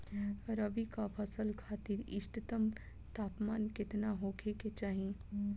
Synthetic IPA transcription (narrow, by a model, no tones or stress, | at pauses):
ɾəbikapʰəsəlkʰaːt̪ɪɾɪ̰ʃʈt̪əm | t̪aːpmaːnkɪt̪naɦoːkʰeket͡ʃaːɦiẽ